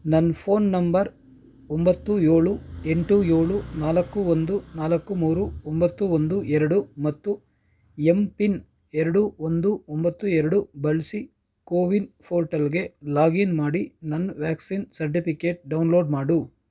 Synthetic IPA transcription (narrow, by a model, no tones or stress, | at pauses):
nɐnːpʰo̞ːnːɐmbɐɾ | ombɐt̪ːujeːɭueɳʈujo̞ːɭunaːlɐkːuond̪unaːlɐkːumuːɾuɔmbɐt̪ːuond̪uʔɛɾɐɽumɐt̪ːu | empin | ɛɾɐɽuond̪uombɐt̪ːuɛɾɐɽubɐlsi | koːʋinpʰoːɾʈɐlɡe̞laːɡinmaːɽinɐnːʋaːksiːnsɐɾʈ̬ipikeːʈ̚ɖɐwnlo̞ːɖmaːɽu